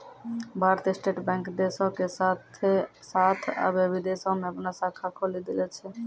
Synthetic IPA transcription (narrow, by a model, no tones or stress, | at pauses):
baɾt̪esʈeʈbɛŋkd̪eʃokesat̪ʰesat̪ʰa̰bebid̪esomɛbnasakʰːakʰolid̪ilet͡ɕʰe